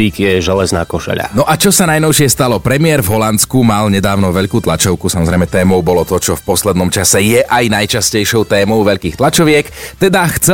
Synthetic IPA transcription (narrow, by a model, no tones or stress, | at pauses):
iːkjɛʒɛlɛznaːkɔʃɛ̰ʎa̰nɔʔat͡ʃɔsanajnɔʊʃɪɛst̪alɔpɾɛmɪɛɾvɦɔlant̪skumalɲɛd̪aːʊnɔʋɛʎkuːt̪lat͡ʃɔʊkusamɔzɾɛjmɛt̪ɛːmɔʊbɔlɔt̪ɔt͡ʃɔfpɔslɛd̪nɔmt͡ʃasɛjɛʔajnajt͡ʃascɛjʃɔʊt̪ɛːmɔʊʋɛʎkiːxt̪lˠat͡ʃɔʋɪɛkt̪ɛd̪axt͡sɛ